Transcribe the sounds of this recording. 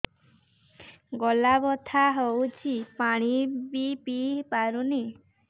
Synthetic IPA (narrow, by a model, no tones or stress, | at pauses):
ɡɔlabɔt̪ʰaɦowt͡ʃʰipaɽ̃ibipipaɾuni